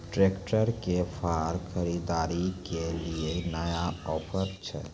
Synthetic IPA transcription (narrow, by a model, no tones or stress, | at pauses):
ʈɾekʈəɾkepʰaɾkʰəɾid̪aɾikelienəjaɔpʰəɾt͡ʃʰɛ̰